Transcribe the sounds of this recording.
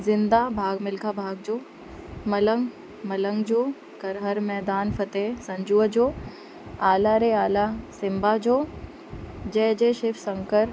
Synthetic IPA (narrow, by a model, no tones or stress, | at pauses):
zɪ̃nd̪abʱaːɡmɪlkʰabʱaːɡd͡ʑoː | mɐləŋɡ | mɐləŋɡd͡ʑoː | kɐɾɦəɾmɛːd̪aːnfʰɐt̪esɐ̃ɲd͡ʒuəd͡ʑoː | aːlaɾeaːlasɪmbad͡ʑoː | d͡ʑɛːd͡ʑeːʃɪfsɐ̃ŋkəɾ